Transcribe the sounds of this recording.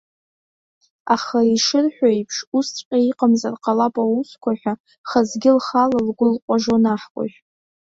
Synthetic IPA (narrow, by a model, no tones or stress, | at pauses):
aχaiʂɨrħʷᶣajpʰʂustʷʼqʲʼaiqʼamzarqʼalapʼauskʷʰaħʷᶣa | χazɡʲɪlχalalɡʷʊlqʷʼaʒonaħkʷʼa̰ʒʷᶣ